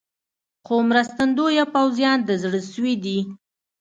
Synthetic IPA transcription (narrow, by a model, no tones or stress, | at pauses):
xomɾast̪and̪ojapawzjɑnd̪əzɽəsəwid̪i